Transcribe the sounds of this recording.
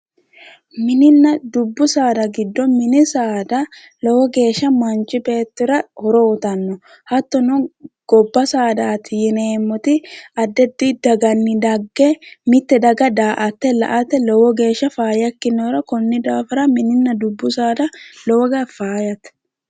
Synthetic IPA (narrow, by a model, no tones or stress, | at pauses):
mɪnɪnːɐd̪ʊbːʊsaːd̪ɐɡɪd̪ːɔmɪnɪsaːd̪ɐ | lɔwɔɡe̞ːʃːɐmɐnt͡ʃʼːɪbe̞ːt̪ːʊɾɐhɔɾɔʊt̪ɐnːɔ | hɐt̪ːɔnʊɡ̥ɔbːɐsaːd̪aːt̪ɪjɪneːmːɔt̪ɪɐd̪ːɛd̪ːid̪ɐɡɐnːɪd̪ɐɡːɛmɪt̪ːɛd̪ɐɡɐd̪aːʔɐt̪ːɛlɐ̰ʔɐt̪ɛlɔwɔɡe̞ːʃːɐfaːjɐkːɪnɔːɾɐkɔnːɪd̪aːfɐɾɐmɪnɪnːɐd̪ʊbːʊsaːd̪ɐlɔwɔɡɐfaːjɐt̪